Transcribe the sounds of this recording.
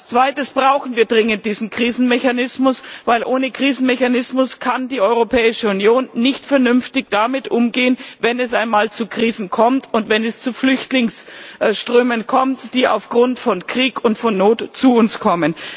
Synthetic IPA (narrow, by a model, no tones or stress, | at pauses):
ast͡sv̥aɪtəsb̥ʁaʊxn̩viːɐdʁɪŋənt̚d̥iːzn̩kʁ̥iːzn̩meçanɪsmʊsvaɪlʔoːnəkʁ̥iːzn̩mɛçanɪsmʊskʰandiːʔɔʏʁopʰɛːɪʃəunjoːnːɪçtfɛɐnʏnftɪçd̥amɪtʔʊmɡeːənvɛnɛsʔaɪnmaːlt͡sukʁ̥iːzn̩kʰɔmtʊntvɛnɛst͡suflʏçtlɪŋsʃtʁ̥øːmənkʰɔmtd̥iːʔa̰ʊfɡ̥ʁʊntfɔnkʁ̥iːkʊntfɔnːoːtt͡suʊnskʰɔmən